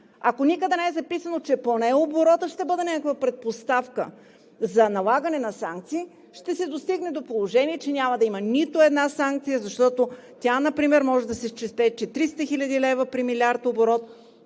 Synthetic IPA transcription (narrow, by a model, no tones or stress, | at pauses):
ɐkonikəd̪ənɛɛzɐpisənot͡ʃɛponɛoboɾɔt̪əʃt̪ɛbɤd̪ɛnʲɛkəkvəpɾɛt̪̚post̪afkə | zɐnɐlˠaɡɐnɛnɐsaŋk̚t̪siː | ʃt̪ɛsɛd̪ost̪iɡnɛd̪opolˠoʒɛniɛt͡ʃɛnʲamɐd̪ɐimənit̪oɛd̪nasaŋk̚t̪sijəzɐʃt̪ɔt̪ot̪ʲanɐpɾimɛɾmɔʒɛd̪ɐsɛʃt͡ʃɛst̪ɛt͡ʃɛt̪ɾist̪əxilʲəd̪ilɛvəpɾimilʲiaɾt̪oboɾɔt̪̚